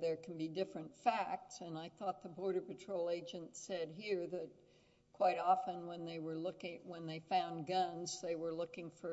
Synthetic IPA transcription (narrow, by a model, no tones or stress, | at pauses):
ðə˞kʰn̩bidɪfɹɨ̃ntfæk̚tsɨ̃naɪθɔt̪̚ðəbɔɹɾəpɨtʰɹ̥oʊlˠeɪd͡ʒɨ̃ntsɛd̚ɦiɹðɨt̚ | kkʰw̥aɪɾɑfə̃nwə̃nðeɪwə˞lʊkɪ̃wə̃nðeɪfãʊ̃nɡʌ̃nzðeɪwə˞lʊkɪ̃ŋfə˞